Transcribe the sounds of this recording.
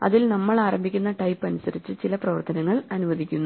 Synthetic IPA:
ɐ̰ðilnɐmːɐɭaːɾɐmbʱikʲːunːɐʈɐjpːɐnusɐɾit͡ɕːɨt͡ɕilɐprɐʋɐrt̪ɐnɐŋːɐɭɐnuʋɐðikʲːunːu

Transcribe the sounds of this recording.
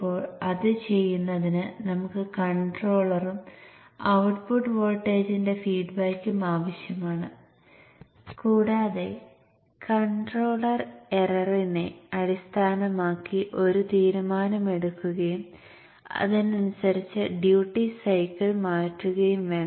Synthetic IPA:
poːɭɐðɨt͡ɕe̞jːunːɐðinɨnɐmukːɨkɐɳɖro̞ːɭɐrum | ɐwʈpuʈːʋoːlʈːeːd͡ʑinde̞fiːɖbɐjkːumaːʋɐɕjɐmaːɳɨ | kuːɽaːðe̞ | kɐɳɖroːɭɐrerɐrineɐɽist̪ʰaːnɐmaːkːiʔo̞ɾut̪iːɾumaːnɐme̞ɽukːuɣɐjum | ɐ̰ðinɐnusɐɾit͡ɕːɨɖjuːʈːisɐjkːɐlmaːʈːuɣɐjumʋeːɳ

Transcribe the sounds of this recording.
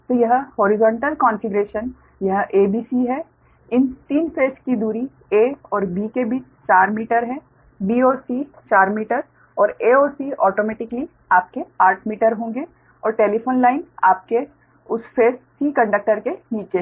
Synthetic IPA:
t̪oːjɐɦhoːɾɪzɔ̃ːɳʈəlkɔ̃ːnfɪɡɾeːʃən | jɐɦʔeːbʱiːsiɦɛ | ɪnt̪iːnfeːskid̪uːɾi | eːɔːɾbiːkebʱiːt͡ʃ | t͡ʃaːɾmiːʈəɾɦɛ̃ː | biːoːsi | t͡ʃaːɾmiːʈəɾ | ɔːɾeːoːsiɔːʈoːmɛːʈɪkli | aːp̚keaːʈʰmiːʈəɾɦõːŋ̆ɡe | ɔːɾʈeːlipʰoːnlaːɪnaːp̚ke | ʊsfeːsːiːkɐ̃ɳɖək̚ʈəɾkeniːt͡ʃe

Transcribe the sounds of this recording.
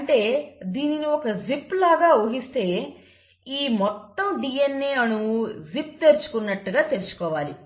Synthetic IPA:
ɐɳʈe̞ːd̪iːniniɔkɐzipːlaːɡaːoːɦist̪e̞ː | iːmɔt̪ːɐmɖiːjenːeːɐnuzip̚t̪e̞ɾit͡ʃu̥kunːɐʈːuɡaːt̪eɾit͡ʃu̥kɔːʋaːli

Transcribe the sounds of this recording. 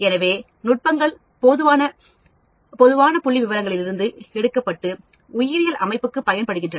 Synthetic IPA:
ɛnɐʋeː | nʊʈ̚pɐŋɡɐɭ | pɔðɯʋaːnɐ | pɔðɯʋaːnɐpʊɭːiʋɪʋɐɾɐŋɡɐɭɪlɪɾɯnd̪ɯɛɽɯkːɐpːɐʈːɯ | ʊjɪɾɪjɐlʔɐmɐɪpːɯkːɯpɐjɐnpɐɽɯɣɪndrɐnɐ

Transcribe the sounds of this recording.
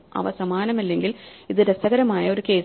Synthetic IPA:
ɐ̰ʋɐsɐmaːnɐmɐlːe̞ŋɡiliðɨɾɐsɐɣɐɾɐmaːjɐo̞ɾuke̞ː

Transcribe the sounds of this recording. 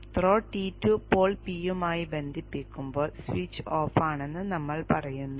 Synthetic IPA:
t̪ro̞ːʈiːtːupo̞ːɭpijumaːjibe̞nd̪ʱipːikʲːumbo̞ːɭsʋiːt͡ɕːoːfaːɳe̞nːɨnɐmːɐɭpɐrɐjunːu

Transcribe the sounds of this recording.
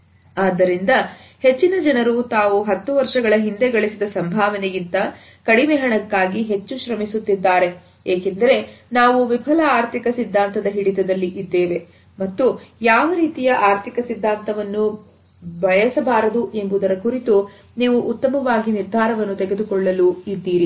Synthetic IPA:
aːd̪ːɐɾind̪ɐ | he̞t͡ʃːinɐd͡ʒɐnɐɾut̪aːʋuɦɐt̪ːuʋɐɾʂɐɡɐɭɐɦind̪e̞ɡɐɭisid̪ɐsɐmbʱaːʋɐneɡint̪ɐ | kɐɽimeɦɐɳɐkːaːɡiɦe̞t͡ʃːuʃɾɐmisut̪ːid̪ːaːɾe̞ | eːkend̪ɐɾe̞naːʋuʋibʰʱɐlɐaːɾt̪ʰikɐsid̪ʱːaːnt̪ɐd̪ɐɦiɽit̪ɐd̪ɐlːiʔid̪ːe̞ːʋe̞ | mɐt̪ːujaːʋɐɾiːt̪ijɐʔaːɾt̪ʰikɐsid̪ʱːaːnt̪ɐʋɐnːu | bɐjɐsɐbaːɾɐd̪uʔe̞mbud̪ɐɾɐkuɾit̪u | niːʋuʔːt̪ːɐmɐʋaːɡiniɾd̪ʱaːɾɐʋɐnːut̪eɡe̞d̪ukɔɭːɐluid̪ːiːɾi

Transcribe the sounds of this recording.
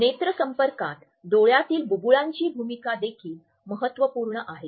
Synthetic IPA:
net̪ɾəsəmpəɾkat̪ | d̪oɭjat̪iːlbubuɭaɲt͡ɕiːbʱumikad̪ekʰiːl | məɦət̪ʋəpuɾɳəʔaɦe

